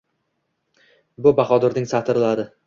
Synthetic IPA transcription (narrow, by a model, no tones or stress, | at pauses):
bʊbaχɒd̪ɪɾnɪŋsat̪ʰɪɾlaɾɪ